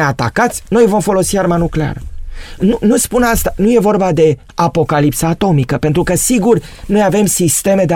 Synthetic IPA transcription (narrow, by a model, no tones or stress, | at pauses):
eat̪a̰kat̪sʲno̞jvo̞mfo̞lo̞siarmanuklea̰rənunuspunast̪anuje̞vo̞rbad̪e̞ | apo̞kalipsəat̪o̞mikəpe̞nt̪ɾukəsiɡur | no̞jave̞msist̪e̞me̞d̪e